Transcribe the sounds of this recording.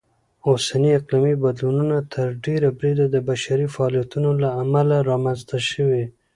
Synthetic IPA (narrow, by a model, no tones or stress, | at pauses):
osaniaqlimibad̪lununat̪ʰəɾɖeɾabɾid̪ad̪əbaʃaɾifaːlijat̪unolaːmalaɾɑmanzt̪aʃəwi